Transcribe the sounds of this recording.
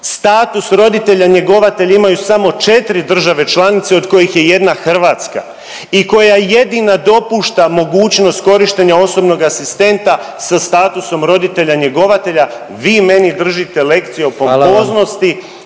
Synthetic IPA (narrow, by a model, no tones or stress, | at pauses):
st̪aːt̪usɾo̞d̪it̪e̞ʎaɲe̞ɡo̞ʋat̪e̞ʎaimajusamo̞t͡ʃe̞t̪ɾid̪r̩ʒaʋe̞t͡ʃlˠanit̪seo̞d̪ko̞jixje̞je̞d̪naxr̩ʋaːt̪ska̰ | iko̞jaje̞d̪inad̪o̞puːʃt̪amo̞ɡuːt͡ɕno̞st̪ko̞ɾiʃt̪eɲao̞so̞bno̞ɡasist̪e̞nt̪a | sast̪aːt̪uso̞mɾo̞d̪it̪e̞ʎaɲe̞ɡo̞ʋat̪e̞ʎa | ʋiːme̞nid̪r̩ʒit̪e̞le̞kt̪sijeopopozno̞st̪i